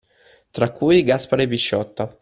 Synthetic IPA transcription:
t̪ɾakːujɡaspaɾepiʃːɔt̪ːa

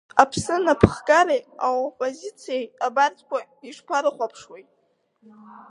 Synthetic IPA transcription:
apʰsɨnapʰχkʼaɾejawopʼozit͡sʰijejabart͡sʰʼkʷa | iʂpʰaɾɨχʷapʰʂwejtʼ

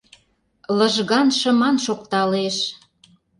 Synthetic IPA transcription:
lə̆ʒɣɑnʃə̆mɑnʃokt̪ɑleʃ

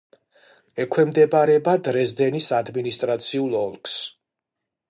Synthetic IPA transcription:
ɛkʰwɛmd̪ɛbaɾɛbad̪ɾɛzd̪ɛnisad̪minist̪ʼɾat̪sʰiulˠɔlˠkʰs

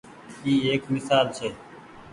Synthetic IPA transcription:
iːɦeːkmɪsaːlt͡ʃʰeː

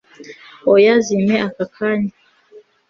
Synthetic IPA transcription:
ɔjazimɛʔakakʰaɲi

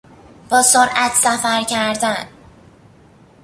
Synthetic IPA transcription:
b̥ɒːsoɾʔæt̪ʰsæfæɾcʰæɾd̪æn

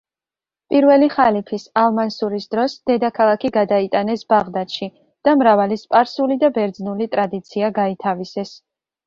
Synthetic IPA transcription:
pʼiɾvɛliχalipʰisalˠmansuɾisd̪ɾɔsd̪̥ɛd̪akʰalˠakʰiɡad̪ait̪ʼanɛsb̥aʁd̪at̪ʃi | d̪̥amɾavalispʼaɾsulid̪abɛɾd̪znulit̪ʼɾad̪it̪sʰiaɡait̪ʰavisɛs

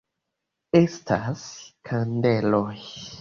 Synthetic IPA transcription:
estʰaskʰande̞loj

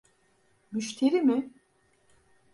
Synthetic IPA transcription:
myʃt̪ʰeɾimɪ

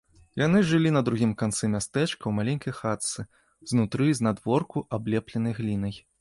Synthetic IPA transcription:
janɨʐɨlʲinɐd̪ɾuɣʲimkant̪sɛmʲast̪ɛt͡ʂkɐwmalʲɛnʲkɐjxat̪sɨ | znut̪ɾɨznad̪vɔrkuʔablʲɛplʲɐnɐjɣlʲinɐj

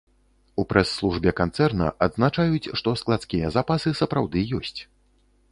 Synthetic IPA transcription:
upɾʔɛsːlˠuʐbʲɛkant̪sɛrnɐ̰ʔad̪znat͡ʂajut͡sʲʂt̪ɔsklˠat̪skʲijɐzapasɨsɐpɾawd̪ɨjɔsʲt͡sʲ

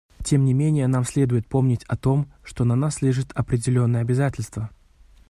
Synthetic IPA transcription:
tʲe̞mnʲɪmʲenʲɪjənamsʲlʲe̞d̪ʊjɪt̪̚po̞mnʲɪtʲɐt̪o̞mʂt̪o̞nɐnasːlʲiʐɨt̪ɐpɾʲɪdʲɪlʲo̞nːəjəɐbʲɪzatʲɪlʲst̪və

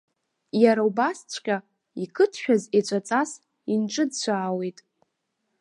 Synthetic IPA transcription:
jaɾaubast͡ɕʷʰkʲʼa | ikʰɨtʰʃᶣazet͡ɕʷʼat͡sʼas | inʈ͡ʂʼɨdt͡ɕʷʰaːwe̞jtʼ

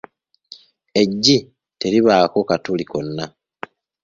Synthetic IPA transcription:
e̞ɟːi | te̞ɾiβaːko̞katuliko̞nːa

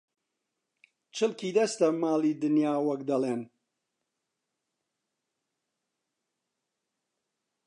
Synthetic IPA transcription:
t͡ʃʰɨlkʰiːd̪ɐst̪ɐmaːliːd̪ɨnjaːwɐkd̪ɐleːn

